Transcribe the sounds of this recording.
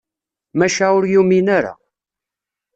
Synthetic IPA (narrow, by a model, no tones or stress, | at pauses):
mæʃæʊɾjuminaɾa̰